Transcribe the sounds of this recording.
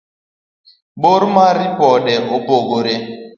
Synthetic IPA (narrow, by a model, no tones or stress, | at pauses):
boɾmaɾipɔdɛopoɡoɾe